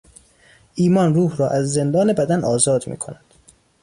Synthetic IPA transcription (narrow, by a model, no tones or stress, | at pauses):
ʔiːmɒːnruːhɾɒːʔæzːe̞nd̪ɒːne̞bæd̪ænʔɒːzɒːd̪mḭːkʰo̞̰næd̪̥